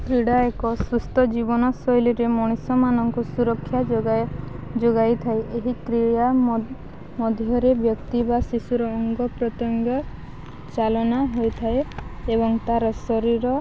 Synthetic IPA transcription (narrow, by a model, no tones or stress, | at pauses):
t̪ɾiɽaekɔsust̪ʰɔd͡ʒibɔnɔsɔjliɾemɔɽ̃isɔmanɔŋkusuɾɔkʰːjad͡ʒɡa | d͡ʒoɡajt̪ʰaeʔeɦikɾija | mɔd̪ʱjɔɾebjɔkt̪ibasisuɾɔːŋɡɔpɾɔt̪jɔŋɡɔ | t͡ʃalɔnaɦojt̪ʰaeebɔŋt̪aɾɔsɔɾiɾɔ